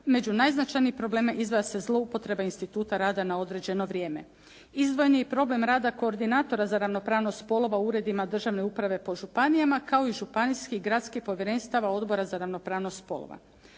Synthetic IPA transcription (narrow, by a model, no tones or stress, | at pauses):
me̞d͡ʑunajznat͡ʃajnipɾo̞ble̞ːmaʔizʋejase̞zlˠo̞upo̞t̪ɾe̞bainst̪it̪uːt̪aɾaːd̪anao̞d̪ɾe̞d͡ʑe̞no̞ʋɾʲje̞ːme | izd̪ʋo̞jnijepɾo̞ble̞mɾaːd̪ako̞ːɾd̪inaːt̪o̞ɾazaɾaʋno̞pɾaːʋno̞st̪po̞lˠo̞ʋauːɾe̞d̪imad̪r̩ʒaʋne̞upɾaʋe̞po̞ʒupanijamakao̞iʒupaniskiɡɾat̪skixpo̞ʋje̞ɾe̞nst̪aʋao̞d̪bo̞ɾazaɾaʋno̞pɾaːʋnost̪po̞̰lˠo̰ʋa̰